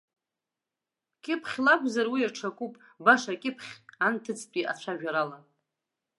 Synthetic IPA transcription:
kʲʼɪpʰχʲlakʷʼzarwiaʈ͡ʂʰakʷʼupʼbaʂakʲʼɪpʰχʲantʰɨt͡sʰʼtʼiʔa̰t͡ɕʷʰaʒᶣaɾala

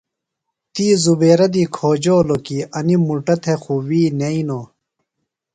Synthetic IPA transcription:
t̪iːzubeːɾɐd̪iːkʰoːd͡ʑoːlokiːɐnimuʈɐt̪ʰexuwiːneinoː

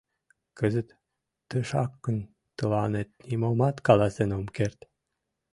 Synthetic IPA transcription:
kəzət̪ː | ə̆ʃɑkːən | t̪əlɑnet̪̚nimomɑt̪kɑlɑsenomkert̪

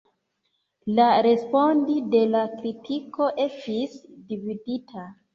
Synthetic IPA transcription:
laɾe̞spo̞ndide̞lakɾitʰiko̞ʔe̞stisdividitʰa

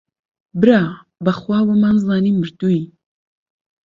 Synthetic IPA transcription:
bɨɾaː | bɐχwaːwɐmanzlaːnimɨɾt̪ui

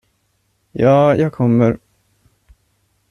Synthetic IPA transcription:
jɑːjɑːɡkʰɔmːəɾ

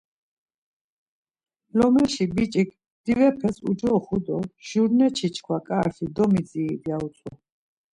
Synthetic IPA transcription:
lɔmɛʃibit͡ʃʼikʰ | d̪̥ivɛpʰɛsṵd͡ʒɔχud̪ɔʒ̥uɾnɛt͡ʃʰit͡ʃʰkʰwakʼaːɾtʰid̪ɔmid͡ziːd̪iaut̪sʼʰwɔ

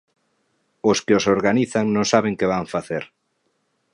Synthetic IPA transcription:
oskɪosoɾɣaniθaŋnõŋsaβ̞eŋkeβaŋfaθeɾ

